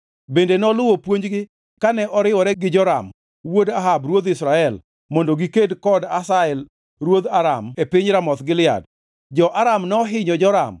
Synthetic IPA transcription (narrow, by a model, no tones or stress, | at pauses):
bendenɔlʊwopwoɲd͡ʒɡɪ | kanɛʔɔɾɪwɔɾɛɡɪd͡ʒɔɾa̰m | wodaɦabɾwod̪ɪsɾaɛl | mondoɡikedkɔdasaɛl | rwod̪aɾa̰mepɪɲɾamɔt̪ɡɪlɪa̰d | d͡ʒɔʔaɾamnɔɦɪɲɔd͡ʒɔɾa̰m